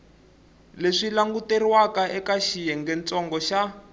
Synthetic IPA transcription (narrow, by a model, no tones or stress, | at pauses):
leʂilaŋɡuteriwakaʔɛkaʃijɛŋɡɛnt͡sɔŋɡɔʃa